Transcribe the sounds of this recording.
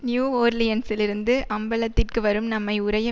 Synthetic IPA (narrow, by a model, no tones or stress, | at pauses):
njuːoːɾlɪjɐnsɪlɪɾɯnd̪ɯʔɐmbɐlɐt̪ːɪrkɯʋɐɾɯmnɐmːɐɪʊɾɐjɐ